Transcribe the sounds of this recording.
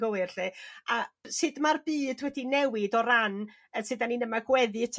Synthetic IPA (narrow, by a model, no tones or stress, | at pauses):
ɡəwɪrɬɨasɨdmarbiːdwɛdinɛwɪdɔɾan | əsɨdaninəmaɡwɛðɨtʰ